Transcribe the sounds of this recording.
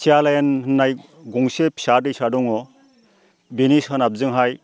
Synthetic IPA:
sʰialajanhɯnːaj | ɡuŋsepʰi̥sadɯjsadɔŋɔ | binishanap̚zɯŋɦaj

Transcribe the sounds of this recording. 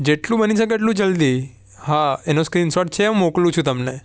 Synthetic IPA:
d͡ʒeʈlũbəniʃək̬eeːʈ̬lũd͡ʒəld̪i | haenoskɾinsɔʈ̚t͡ʃʰeũmoklũt͡ʃʰũt̪əmne

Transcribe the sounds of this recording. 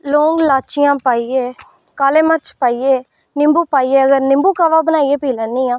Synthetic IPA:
loːŋɡlaːt͡ʃɪjãːpaːieː | kaːleːməɾt͡ʃpaːieː | nɪ̃mbuːpaːieːəɡəɾnɪ̃mbuːkaːʋaːbənaːieːpiːlɛnːiːãː

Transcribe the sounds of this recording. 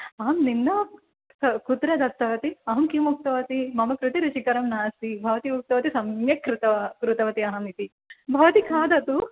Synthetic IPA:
aːmninːɐ | sɐkut̪ɾɐd̪ʱɐp̚t̪ɐʋɐt̪iɐɦɐmkimuk̚t̪ɐʋɐt̪imɐmɐkɾut̪iɾut͡ʃikɐɾɐmnaːsibʱɐʋɐt̪imuk̚t̪ɐʋɐt̪isɐmjɐkɾut̪ɐkɾut̪ɐʋɐt̪iɐɦɐmit̪i | bʱɐʋɐt̪ikʰaːd̪ɐt̪u

